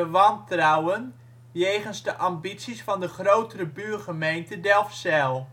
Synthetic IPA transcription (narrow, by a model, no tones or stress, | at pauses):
əʋɑntrawən | jejχənzdəʔɑmbisisfɑndəχrowtəɾəbyːrχəmejntədɛlˠfsɛlˠ